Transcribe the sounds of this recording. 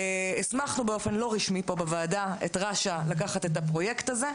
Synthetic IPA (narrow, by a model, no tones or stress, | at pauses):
esmaχnubeo̞fe̞nlo̞ʁiʃmipo̞bevaːdaḛtʁaʃalakaχatetapʁo̞jektaze̞